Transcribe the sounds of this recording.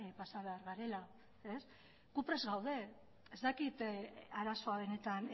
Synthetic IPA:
pasaβe̞aɾɣaɾe̞la | es | ɣ̥upɾe̞zɣawðe̞ | ezt̪akit̪aɾaso̞aβ̞e̞ne̞t̪an

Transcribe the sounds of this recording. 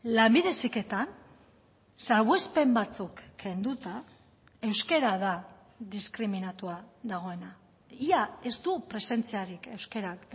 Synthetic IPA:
lambiðe̞sike̞t̪an | saɾɣwe̞spe̞mbat͡sukːe̞nd̪ut̪a | e̞wske̞ɾaða | ðiskɾiminat̪uaðaɣ̞o̞e̞na | iae̞st̪upɾe̞se̞nt͡siaɾike̞wske̞ɾak

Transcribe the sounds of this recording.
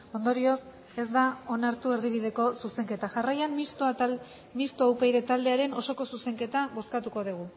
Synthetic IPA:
o̞nd̪o̞ɾio̞s | e̞zd̪ao̞naɾt̪ue̞ɾðiβ̞ið̞e̞ko̞suse̞ŋke̞t̪aʝarajanis | mist̪oawpejðe̞t̪ald̪e̞aɾe̞no̞so̞ko̞suse̞ŋke̞t̪aβo̞skat̪uko̞ðiɣ̞u

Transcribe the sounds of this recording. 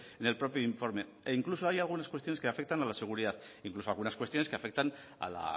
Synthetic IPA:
ene̞lpɾo̞pioiɱfo̞ɾme̞ | iŋklusoajalɣunaskwest̪io̞neskeafe̞k̚t̪analase̞ɣ̞uɾiðat̪iŋkluso̞alɣunaskwest̪io̞neske̞afe̞k̚t̪an | a̰la̰

